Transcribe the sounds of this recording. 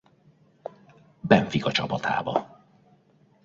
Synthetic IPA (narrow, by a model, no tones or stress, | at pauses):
bɛɱfikɒt͡ʃɒpɒt̪ʰa̰ːbɒ